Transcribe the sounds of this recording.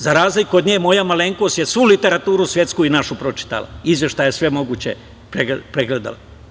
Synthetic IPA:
zaɾaːzlikːod̪ɲeːmo̞jamaleŋkosje̞sʋulit̪e̞ɾat̪uːɾusje̞t̪skuinaʃupɾo̞t͡ʃi̥t̪a̰la̰izʋje̞ʃt̪ajesʋe̞mo̞ɡuːt͡ɕe | pɾeɡpɾeɡled̪a̰la

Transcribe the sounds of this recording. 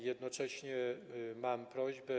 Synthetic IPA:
jɛd̪nɔt͡ʂɛɕɲɛmampɾɔʑbɛ

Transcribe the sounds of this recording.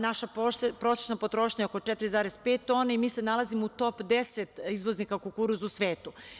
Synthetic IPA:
naʃapɾose̥t͡ʃnopot̪ɾo̞ʃɲaokot͡ʃɛt̪ɾizaːɾezpet̪̚ːo̞ːneimiːsenalazimout̪o̞pd̪eset̪izʋo̞znikakukuɾuzusʋeːt̪u

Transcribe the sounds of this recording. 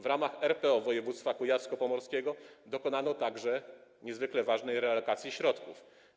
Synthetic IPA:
vɾamaxɛɾpɛɔvɔjɛvut̪st̪fakujaskɔpɔmɔɾskʲɛɡɔd̪ɔkɔnanɔt̪aɡʐɛɲɛzvɘklɛvaʐnɛjɾɛlɔkat̪sʲjiɕɾɔt̪kuf

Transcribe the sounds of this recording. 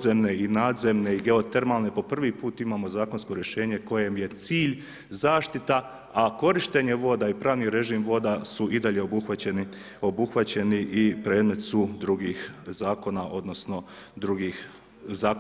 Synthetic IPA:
zemne̞inaːd̪ze̞mne̞iɡe̞o̞t̪e̞ɾmalˠne̞po̞pr̩ʋipuːt̪imaːmo̞zaːko̞nsko̞ɾje̞ʃeːɲe̞ko̞je̞mje̞t̪siːʎ | zaːʃt̪it̪a | ako̞ɾiʃt̪e̞ɲe̞ʋo̞ːd̪aipɾaːʋniɾe̞ʒiːmʋo̞d̪asuʔid̪aʎe̞o̞buxʋat͡ɕeni | o̞buxʋat͡ɕe̞niʔipɾe̞ːd̪me̞t̪sud̪ɾuɡiːxzaːko̞naʔo̞d̪no̞sno̞ | d̪ɾuɡix | zaː

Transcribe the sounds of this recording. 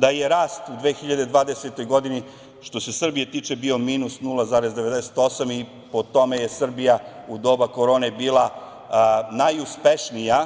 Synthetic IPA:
d̪aje̞ɾaːst̪ud̪ʋeːxiʎad̪ed̪ʋaːd̪eset̪o̞jɡo̞d̪ini | ʃt̪o̞se̞sr̩bije̞t̪iːt͡ʃe̞bio̞miːnusnulˠazaːɾezd̪e̞ʋe̞d̪ese̥t̪o̞sami | po̞t̪o̞meje̞sr̩bijaud̪o̞bako̞ɾo̞ːne̞biːlˠa | najuspe̞ʃnija

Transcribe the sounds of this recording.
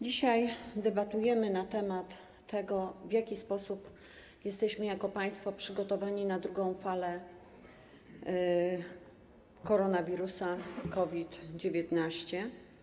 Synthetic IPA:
d͡ʑiɕajd̪ɛbat̪ujɛmɘnat̪ɛmat̪ʰː | ɛɡɔvʲjakʲispɔsup | jɛst̪ɛɕmɘjakɔpaj̃st̪fɔpʂɘɡɔt̪ɔvaɲinad̪ɾuɡɔ̃w̃falɛ | kɔɾɔnavʲiɾusakɔvʲit̪d͡ʑevʲjɛt̪naɕt͡ɕɛ

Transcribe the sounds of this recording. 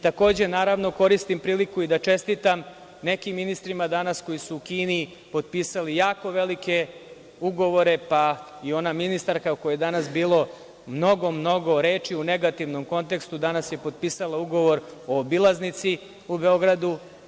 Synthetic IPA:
it̪ako̞ːd͡ʑe̞naːɾaʋno̞ko̞ɾist̪impɾiːlikuid̪at͡ʃe̞st̪it̪am | ne̞kimːinist̪ɾimad̪anasko̞jisuːkiːni | po̞d̪̚piːsalijaːko̞ʋe̞like̞ | uɡo̞ʋo̞ɾe̞pa | io̞naminist̪aɾkakojajed̪anasbiːlˠo̞ | mno̞ɡo̞mno̞ɡo̞ɾeːt͡ʂiune̞ɡat̪iʋno̞mko̞nt̪e̞kst̪ud̪anasje̞po̞d̪̚piːsalˠauɡo̞ʋo̞ɾo̞ːbilˠaznit̪si | ube̞o̞ɡɾad̪u

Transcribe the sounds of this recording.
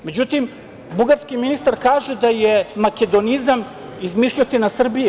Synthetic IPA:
me̞d͡ʑut̪im | buɡaɾskiminist̪aɾkaːʒed̪ajemake̞d̪o̞nizam | izmiʃʎot̪inasr̩bije

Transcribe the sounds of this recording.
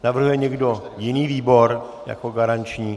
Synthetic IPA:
navr̩ɦujɛɲɛɡdojɪniːviːboɾ | ja̰koɡaɾant͡ʃɲiː

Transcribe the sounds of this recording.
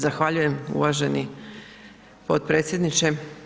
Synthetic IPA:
zaxʋaʎuje̞mṵʋaʒe̞ni | po̞t̪pɾet̪sjed̪nit͡ʃe

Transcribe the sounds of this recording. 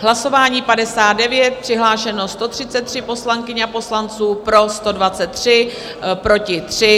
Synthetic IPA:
ɦlaso̞vaːɲiːpadɛsaːd̪̚dɛvjɛt̪̚pr̥ɪɦlaːʃɛno̞st̪o̞t̪r̝̥ɪtt͡sɛt̪ːr̝̥ɪpo̞slaŋkɪɲɛapo̞slant͡suːpɾo̞st̪o̞dvat͡sɛt̪ːr̝̥ɪ | pɾo̞cɪt̪r̝̥ɪ

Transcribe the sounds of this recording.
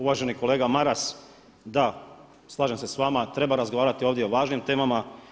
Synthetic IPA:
uʋaːʒe̞niko̞le̞ːɡamaɾas | d̪a | slˠaːʒemse̞sʋaːmat̪ɾe̞baɾazɡo̞ʋaːɾat̪io̞ːʋd̪jeoʋaːʒnimt̪e̞ːmama

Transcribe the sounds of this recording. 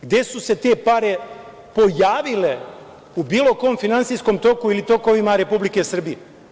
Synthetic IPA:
ɡd̪jesuse̞t̪e̞paɾe̞ | po̞jaːʋile̞ | ubiːlˠo̞ko̞ːmfinant̪sijsko̞mt̪o̞kuilit̪o̞ko̞ʋimaɾe̞publike̞sr̩bije

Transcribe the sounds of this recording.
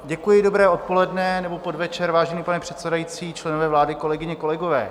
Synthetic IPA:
ɟɛkujɪdo̞bɾɛːo̞t̪̚po̞lɛdnɛnɛbopo̞dvɛt͡ʃɛɾvaːʒɛniːpanɛpr̥ɛt̪sɛdajit͡siːt͡ʃlɛnovɛːvlaːdɪko̞lɛɡɪɲɛko̞lɛɡo̞vɛː

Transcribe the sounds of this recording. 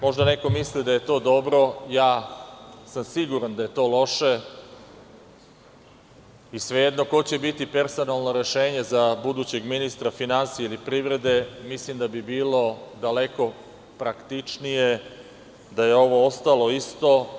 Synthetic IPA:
mo̞ʒd̪ane̞ko̞mislid̪aje̞t̪o̞ːd̪o̞bɾo̞jaː | samsiɡuɾand̪aje̞t̪o̞ːlo̞ʃe̞ | isʋe̞je̞d̪no̞ko̞t͡ɕebit̪ipe̞ɾso̞nalˠno̞ɾe̞ʃe̞ːɲe̞zabud̪uːt͡ɕe̞ɡminist̪ɾafinansijeilipɾiːʋɾe̞d̪e̞mislimd̪abibiːlo̞d̪ale̞ko̞ | pɾakt̪it͡ʂnije̞ | d̪aje̞o̞ʋo̞o̞st̪alˠo̞ist̪o̞

